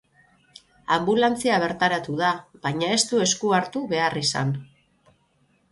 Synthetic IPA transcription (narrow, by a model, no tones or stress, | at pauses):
ambulant͡siaβ̞e̞ɾt̪aɾat̪uðaβaɲae̞st̪ue̞skuaɾt̪uβe̞arisa̰n